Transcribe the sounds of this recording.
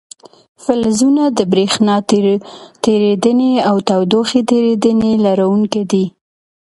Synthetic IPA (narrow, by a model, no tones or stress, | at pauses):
fɪlzunad̪əbɾexnɑ | t̪eɾed̪əneawt̪awd̪oxet̪eɾed̪ənelaɾawuŋked̪i